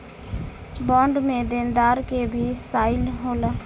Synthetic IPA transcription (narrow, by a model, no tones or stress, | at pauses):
bɔ̃ɳɖmed̪end̪aɾkebʱisaɪlɦolə